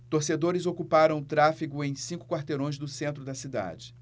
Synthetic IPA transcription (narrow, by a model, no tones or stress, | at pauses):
t̪oɾsed̪oɾɪzokupaɾɐ̃w̃t̪ɾafiɡʊẽj̃sĩŋkʊ̥kwaɾt̪eɾõj̃zd̪ʊsẽnt̪ɾʊd̪ɐsid̪a̰d͡ʒɪ